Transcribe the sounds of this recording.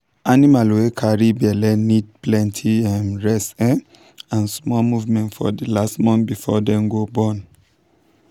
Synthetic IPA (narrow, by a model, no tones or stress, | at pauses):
animalwekʰaɹibɛlɛnid̚plɛ̃ntʰiɛmɹɛsɛ | ãnsmɔmuvmɛ̃ntfɔ̰dilastmɔ̃nbifɔdɛ̃mɡobɔ̃n